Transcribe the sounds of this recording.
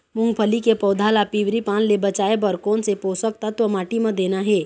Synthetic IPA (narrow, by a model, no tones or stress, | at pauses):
mʊ̃ŋɡpʰəlikepɔːd̪ʱaːlapiːʋɾipaːnlebət͡ʃaːebəɾkɔːnsepoːsək̚t̪at̪omaːʈimɐ̃d̪eːnaɦɛː